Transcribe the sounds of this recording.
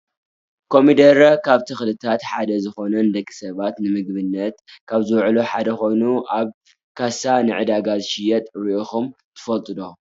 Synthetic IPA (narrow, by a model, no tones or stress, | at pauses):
kʰo̞mid̪ɐɾɐkʰaβt̪ʰɨxlɨt̪ʰat̪ħad̪ɐzɨxo̞nɐnd̪ɐkʼːi̥sɐβat̪nɨmɨɡbɨnːɐt̪kʰaβzɨwʕluħad̪ɐxo̞jnuʔaβ | kʰasanɨʕɨd̪aɡazɨʃɪjɛt̪ʼɾioxum | t̪ʰɨ̥fɐlt̪ʼɨd̪o